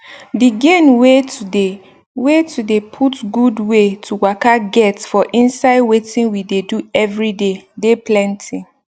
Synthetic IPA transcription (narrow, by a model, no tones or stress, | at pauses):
diɡẽnwetude | wetʰudepʰutɡudwetʰuwakaɡɛtfɔʔĩnsaɪdwetĩnwideduɛvɹidedeplɛ̃ntʰĩ